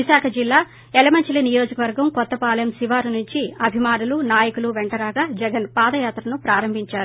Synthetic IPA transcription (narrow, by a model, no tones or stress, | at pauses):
isaːkʰɐd͡ʒilːaː | ɛlɐmɐɲt͡ʃilinijo̞ːd͡ʒɐkɐʋɐɾɡɐmkɔt̪ːɐpaːlɐjɐmsiʋaːɾunuɲt͡ʃiɐbʱimaːnulunaːjɐkuluʋɛɳʈɐɾaːɡaːd͡ʒɛɡɐnpaːd̪ɐjaːt̪ɾɐnupɾaːɾɐmbʱiɲt͡ʃaːɾu